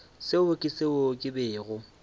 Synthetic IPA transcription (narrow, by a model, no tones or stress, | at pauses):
sɪʊkʼɪsɪokʼɪbɪːɣʊ